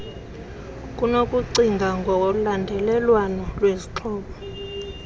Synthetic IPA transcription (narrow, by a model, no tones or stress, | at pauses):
kʼunokʼuǀiŋɡʱaŋɡʱɔlandʱɛlɛlwanɔlweziǁʰɔːɓɔ